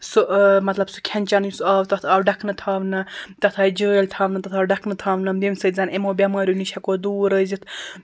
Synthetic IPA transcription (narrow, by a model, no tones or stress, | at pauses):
sumɐt̪lɐbsu̥kʰɐnʲt͡ʃɐnjusuaːʋt̪ɐt̪ʰɐːɖɐkʰnɨt̪ʰaːʋnɨt̪ɐt̪ʰaːjd͡ʒəːlʲt̪ʰaːʋnɨt̪ɐt̪ʰaːwɖɐkʰnɨt̪ʰaːʋnɐmd̪imsət̪zɐnemoːbʲɐmaːɾʲjuniʃʰɐkoːd̪uːɾəzit̪ʰ